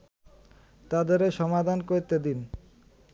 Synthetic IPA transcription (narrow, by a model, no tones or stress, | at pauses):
t̪ad̪eɾeʃɔmad̪ʱankoɾt̪ed̪in